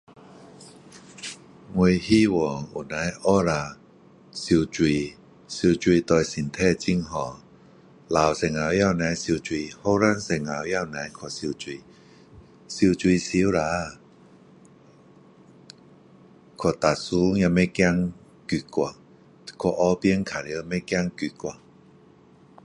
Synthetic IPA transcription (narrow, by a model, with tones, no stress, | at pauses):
ŋwu˧hi˥˨wɔ˨˩ŋu˨˩nã˨˧˦jʔɔ˦ɾa˧ | si˧wt͡swi˧˨ | si˧t͡ɕwi˧t̪ɔ˧jsi˨˩nt̪ʰɛ˥˧˨t͡ɕi˧˥˨ŋɦɔ˨˩˨ | la˨wse˧˩ŋa˨˧wja˥˧˨wnã˨˦jsi˧wt͡swi˧ho˧˥˦ɾa˥˨nse˧˨˩ŋa˨wja˥˧˨wnã˨˦jkʰɔ˨˩si˧wt͡ɕwi˧ | si˧t͡swi˧si˧˦wɾa˧˦ | kʰɔ˨˩t̪a˨su˧˦ɲã˧me˦kja˧ŋ | ki˧˩kwa˨˩ | kʰɔ˨˧ʔɔ˧˦pi˧˦əŋkʰa˨li˧˦me˧˦kja˧ŋky˧˨kwa˨